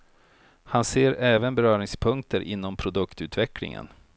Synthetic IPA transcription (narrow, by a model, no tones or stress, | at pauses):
hanseːɾɛːvənbɛɾœːɾɪŋspʰɵŋk̚t̪əɾʔɪ̰nːɔmpʰɾʊd̪ɵkt̪ʉ̟ːt̪vɛklɪ̰ŋə̰n